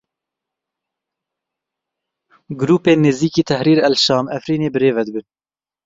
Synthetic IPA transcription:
ɡʊɾuːpeːneːziːkiːt̪ʰɛhɾiːɾɛlʃɑːmɛfɾiːneːbɨɾeːvɛd̪ɨbɨn

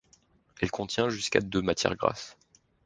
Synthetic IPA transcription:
ɛlkɔ̃t̪jɛ̃ʒyska̰d̪ømat̪jɛ̰ʁɡʁa̰s

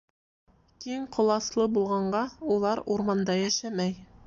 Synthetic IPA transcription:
kiŋqʰŏlˠɑslˠɤbulˠʁɑɴɢɑulˠɑɾuɾmɑnd̪ɑjæʃæmæj

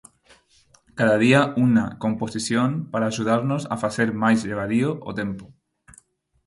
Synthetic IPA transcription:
kaðað̞iauna̰kõmposisjompaɾaːʒuð̞aɾnosa̰faθeɾmajzʎeβ̞aðioʔo̰t̪empo

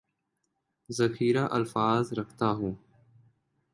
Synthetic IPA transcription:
zəkʰiːɾaːʔəlfaːzɾəkʰt̪aːɦũː

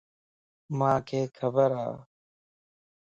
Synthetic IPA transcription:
mãːkʰeːkʰəbəɾa̰ː

